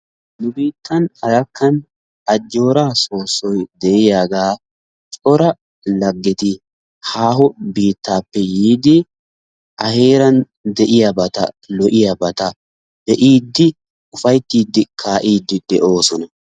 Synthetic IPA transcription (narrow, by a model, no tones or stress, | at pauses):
nʊbiːt̪ʰːɐnɐɾɐkːɐn | ɐd͡ʒːo̞ːɾaːso̞ːsːɔjd̪ɛɪjaːɡaː | t͡ʃʼɔɾɐ | lɐɡːɛt̪ɪ | haːhɔbiːt̪ːaːpːɛjiːd̪ɪ | ʔɐhe̞ːɾɐn | d̪ɛʔɪjɐbɐt̪ɐ̰ | lɔʔɪjɐbɐt̪ɐ | d̪̥ɛʔiːd̪ːɪ | ʊfɐjt̪ːiːd̪ːɪkʰaːʔiːd̪ːɪd̪ɛʔo̞ːsɔnɐ